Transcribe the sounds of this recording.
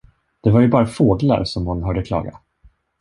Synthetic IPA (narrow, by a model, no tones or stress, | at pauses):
d̪̥ɛvaɾjɵbɑːɾafoːɡla̰ɾsɔmhʊnɦœːɖəkʰlɑ̰ːɡa̰